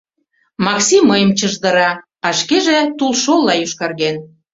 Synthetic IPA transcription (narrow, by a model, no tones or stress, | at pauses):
mɑksiməjəmt͡ɕəʒd̪əɾɑ | ɑʃkeʒet̪ulʃolːɑjyʃkɑrɣen